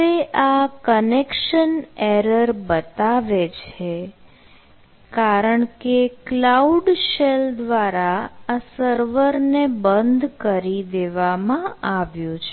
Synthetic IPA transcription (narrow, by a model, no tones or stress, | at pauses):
eʔakənekʃəneɾəɾbət̪aʋet͡ʃʰe | kaɾəɳkeklauɖʃeld̪ʋaɾaasəɾʋəɾnebənd̪ʱkəɾid̪eʋamãaʋjũt͡ʃʰ